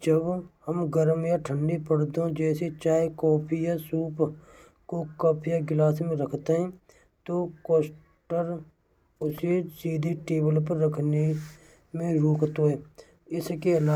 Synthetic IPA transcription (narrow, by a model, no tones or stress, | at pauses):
d͡ʒəbhəmɡəɾmjaʈʰəɳɖipəɽd̪õd͡ʒɛːset͡ʃaːekɔːpʰijasuːp | kokəpʰjaɡɪlaːsmẽɾəkʰt̪eɦɛ̃ː | t̪okoːs | ʈəɾ | ʊsesiːd̪ʱiʈeːbəlpəɾːəkʰne | mẽɾoːkʰt̪oɦɛː | ɪskeəlaː